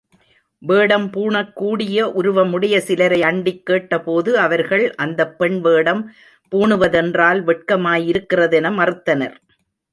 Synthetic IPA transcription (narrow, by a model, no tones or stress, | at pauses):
ʋeːɽɐmpuːɳɐkːuːɽɪjɐʔʊɾʊʋɐmʊɽɐjɐsɪlɐɾɐɪɐɳɖɪkːeːʈːɐpoːðɯɐʋɐɾɣɐɭʔɐnd̪ɐpːɛɳʋeːɽɐm | puːɳɯʋɐðɛndraːlʋɛʈ̚kɐmaːjɪɾɯkːɪrɐðɛnɐmɐrɯt̪ːɐnɐ̰ɾ